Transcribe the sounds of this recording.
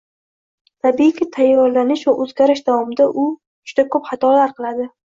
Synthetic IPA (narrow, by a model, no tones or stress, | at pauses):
t̪ʰabiɪkʲʰɪt̪ʰajːɒɾlanɪʃvaʔɵzɡʲaɾɪʃd̪avɒmɪd̪aʔʊ | d͡ʒ̥ʊd̪̥akʰɵpχɑt̪ʰɒlaɾqʰɨlˠad̪ɪ